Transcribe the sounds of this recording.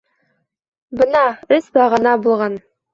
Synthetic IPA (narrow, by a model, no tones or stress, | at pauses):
bɤnɑɵsbɑʁɤ̆nɑbulˠʁɑn